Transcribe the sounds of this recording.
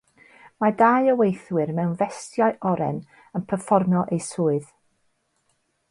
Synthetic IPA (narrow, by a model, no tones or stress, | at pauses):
madaɨəwejθwɪɾmɛwnvɛstjaɨʔɔɾɛ̰n | ənpʰərfɔrmjɔʔejsʊːɨð